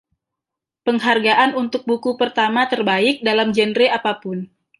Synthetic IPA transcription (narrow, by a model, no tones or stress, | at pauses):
pəŋɦarɡaʔanunt̪ʊk̚bukupərt̪amat̪ərbaɪk̚dalamd͡ʒənɾeapapʊn